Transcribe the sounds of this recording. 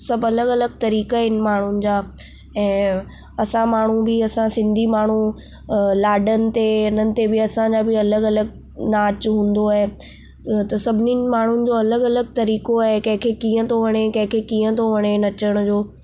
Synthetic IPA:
sɐbɐləɡɐləɡ̚t̪ɐɾiːkaɦɪnɪ̆maːɳ̤ʊnɪ̆d͡ʑaː | ɛ̃ː | ɐsãmaːɳ̤ubɪɐsãsɪ̃nd̪ʱimaːɳ̤u | laːɖənɪ̆t̪eɐnənɪ̆t̪ebɪɐsãd͡ʑabɪɐləɡɐləɡ̚ | naːt͡ɕɦũːn̆d̪oaɦe | t̪ɐsɐbʱɪnimaːɳ̤ʊnɪ̆d͡ʑoːɐləɡɐləɡ̚t̪ɐɾiːkoaɦekɐ̃ɦɪ̃kʰekĩːə̃t̪ʰoʋɐɽ̃ekɐ̃ɦɪ̃kʰekĩːə̃t̪ʰoʋɐɽ̃enɐt͡ɕəɽ̃ʊd͡ʑoː

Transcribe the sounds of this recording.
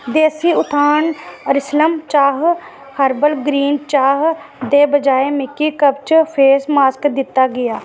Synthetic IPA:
d̪eːsiːʊt̪ʰaːɳəɾɪsləmt͡ʃaːɦ | həɾbəlɡɾiːnt͡ʃaːɦd̪eːbəd͡ʒaːeːmɪkːiːkəbt͡ʃpʰeːsmaːskd̪ɪt̪ːaːɡɪjaː

